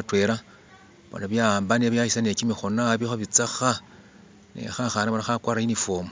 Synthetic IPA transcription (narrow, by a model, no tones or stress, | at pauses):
atweɾa | βo̰naβjambaneβjaʃisane̞t͡ʃimixonaβixoβit͡saxa | nḛxaxanaβanaxakwaɾainifoːmo